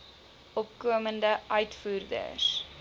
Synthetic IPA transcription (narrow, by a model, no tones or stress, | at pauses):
ʔɔp̚kuəməndəʔœɥtfuːrdə̰s